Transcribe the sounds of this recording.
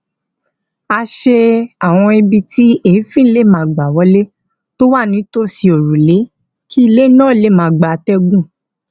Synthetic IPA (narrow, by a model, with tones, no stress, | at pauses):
a˧ʃe˧a˦˨w̃ɔ̃˧i˧bi˧ti˦e˦˨˦fĩ˦n̩˦le˦˨mãː˨˦˨ɡ͡ba˨wɔ˨˦le˦ | to˦wa˦˨nĩ˨˦to˦si˧o˨ɾu˨le˨˦ | kʰi˦i˧le˦nã˦˨le˦˨mãː˨˦˨ɡ͡ba˨tɛ˦ɡũ˦˨